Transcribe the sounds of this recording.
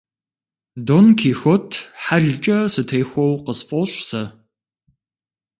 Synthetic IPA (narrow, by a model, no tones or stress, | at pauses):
donkʰiːxʷɔtʰħaɮt͡ʃʼɐsɨtʰejxʷɔwqəsfʼɔɕʼsɐ